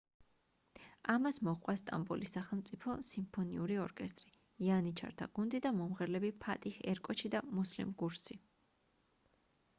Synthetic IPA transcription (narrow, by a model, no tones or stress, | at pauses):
amasmɔqʼwast̪ʼa̰mbɔ̰lisaχɛlˠmt̪sʼipʰɔsimpʰɔniuɾiɔɾkʼɛst̪ʼɾi | ianit͡ʃʰa̰ɾt̪ʰa̰ɡund̪id̪amɔmʁɛɾlɛbipʰat̪ʼiχɛɾkʼɔt͡ʃʰid̪amuslḭmɡuɾsi